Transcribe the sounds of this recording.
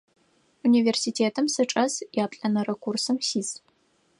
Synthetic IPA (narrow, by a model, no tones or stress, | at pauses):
uniːveːrsitʰeːtʰɨmsɨʈ͡ʂʼɐsjaːpɬʼɐnɐrɐkʷursɨmsiːs